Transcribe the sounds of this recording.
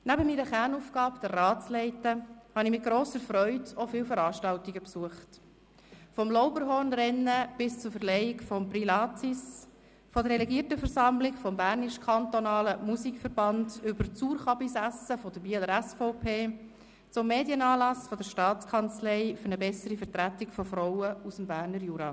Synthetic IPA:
næbəmiɾəχæɾnufɡ̥ɑːbd̥əːɑːt͡slɛɪtəhɑnɪmɪt̚ɡ̥ɾoːsəɾfɾœʏdofɪːwfəɾɑːʃtɑltiɡəpsuəχt | fɔmlɔʊbəɾɦɔːnɾɛnːəb̥ɪst͡sʊfəɾlɛɪɪkfɔmprilɑːt͡sis | fɔdəɾdɛlɛɡiːəɾtəfəɾsɑmlɪkfɔmbæːɾniʃkʰɑnt̪onɑːləmusikfəɾb̥ɑndʏbəɾt͡suːɾχɑbisæsəfɔd̪əɾbiələɾɛsfɔʊpʰeː | t͡sʊmːeːdjənɑːlɑsfɔd̪əɾʃtɑːt͡skʰɑnt͡slɛɪfʏɾnəbɛsəɾifəɾt̪ɾætːɪkfɔfɾɔʊəusəmbæːɾnəɾjuːɾɑː

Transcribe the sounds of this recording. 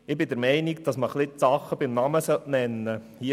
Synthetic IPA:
ɪbɪd̪ɛɾmɛɪniɡ̚d̥ɑsməχlɪtsɑχːəbɪmnɑməsœlʔnɛnːə | hi

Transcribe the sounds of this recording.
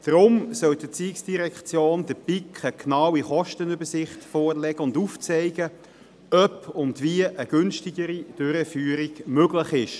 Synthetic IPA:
d̥ɾʊmsœwdət͡siːksd̥iɾɛkt͡sjoːndəpikʰəkʰnɑwiχɔʃtənʏbəsɪχtfɔːrlɛɡ̥əʊnduːft͡sɛɪɡə | œpʰʊndviəʔəɡ̥ʏnʃtiɡəɾid̥øɾəfyːɾiɡ̥møɡləχɪʃ

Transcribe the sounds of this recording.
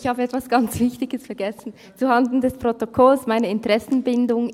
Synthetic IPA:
ɪçhaːbəɛtv̥asɡ̥ant͡sv̥ɪçtɪɡəsfɛɐɡɛsn̩ | t͡suhandn̩dɛspʁ̥otokʰɔlsmaɪnəɪntəʁɛsn̩bɪndʊŋ

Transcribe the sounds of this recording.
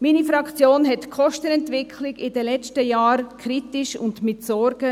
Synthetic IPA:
miːnifɾɑkt͡sjoːnɦɛtkʰɔʃtəɛntʋɪkʰlɪɡɪdəlɛt͡ʃtəjaːɾkʰɾitɪʃʊ̰ndmɪtsɔɾɡ̥ə

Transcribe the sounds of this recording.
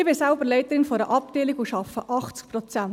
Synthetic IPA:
ɪbɪnsaʊbəɾlɛɪtəɾɪnfɔdəʔɑp̚d̥eːlɪɡuʃɑfəʔɑχt͡sk̚pɾɔt͡sɛn

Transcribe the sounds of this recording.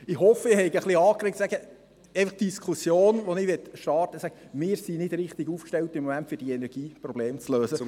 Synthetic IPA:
ɪhɔfːəɪhɛɪɡəχliɑːkɾɪk̚tsæɡə | ejfəχtiskʰχusjoːnʋɔnɪʋɛtʃtɑːtəsæɡ̥əmɪːɾsinɪd̥ɾɪχt̪ɪɡufkʃtɛltɪmːɔmæntfyɾdiɛnɛɾɡ̥iːprɔbleːmt͡sløːsə

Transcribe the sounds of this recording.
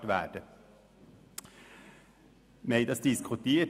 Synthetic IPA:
ʈʋæ̰ːɖə | meɪd̪ɑst̪iːskʰʁʊt̪iːə

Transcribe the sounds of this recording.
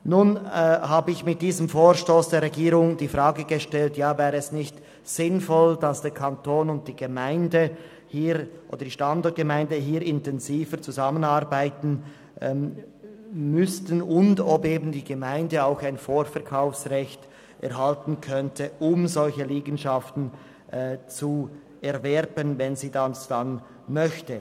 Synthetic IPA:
nuːnhaːbəɪçmɪt̚d̥iːzəmfoːʁʃtoːsd̥eːɾʁɛɡiːʁʊŋdiːfʁaːɡəɡəʃtɛltjaːvɛːʁəɛsnɪçt | sɪnfɔldasd̥eːɐkʰantʰoːnʊnt̚d̥iːɡ̥əmaɪndə | hiːɾʔo̰ːd̥əd̥iʃtandɔt̚ɡ̥əmaɪndəɦiːɾɪntɛnziːfət͡suzamənaʁbaɪtn̩ː | mʏstən̩ʊndopeːbn̩diːɡəmaɪndəaʊxaɪnfoːɾfɛɐkʰaʊfsʁɛçt | ʔɛ̰ɾɦaltn̩kʰœntʰəʔʊmzɔlçəliːɡn̩ʃɑftn̩ː | t͡su | ɛʁvɛʁbənvɛnziːdansd̥an | mœçtə

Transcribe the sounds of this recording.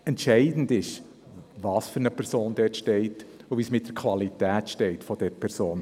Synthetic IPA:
ɛntʃɛɪdn̩dɪʃ | ʋɑːsfʏɾnəpʰɛɾsoːnd̥ɛtʃtɛɪtʊviːsmɪt̚d̥əɾkʰʋɑlitæːtʃtɛɪtfɔd̥ɛɾpʰɛɾsoːn

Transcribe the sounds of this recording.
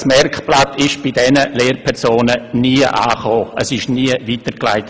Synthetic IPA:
smɛrkplatɪʃb̥idɛnəleːɾpʰɛsoːnəniəʔaːχoːəsɪʃniəʋitəɾkla̰ɪt

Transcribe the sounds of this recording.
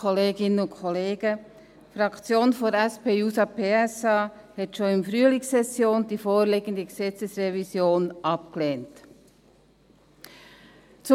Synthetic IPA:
ɔleːɡɪnənʊnkʰɔleːɡ̥ə | fɾɑkt͡sjoːnfɔɛspeːuːsɑpʰeːɛsɑː | hɛtʃonɪmfʁyəlɪksɛsjoːnd̥iːfoːɾleːɡəndəɡəz̥ɛt͡səsrevisjoːnʔɑp̚kleːnt | t͡sʊ

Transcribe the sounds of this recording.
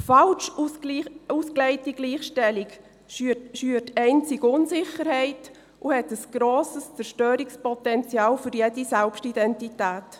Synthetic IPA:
falʃ | usklɛɪtiɡ̥liːχʃtɛliɡ | ʃyːətɛɪnt͡sɪɡ̥ʊnsɪχəɾhɛɪt | ʔuhɛtəsɡ̥ɾoːsəst͡sɛɾʃtøːɾikspɔtɛnt͡sjɑːlfʏɾjedisælpʃtidɛntitæːt

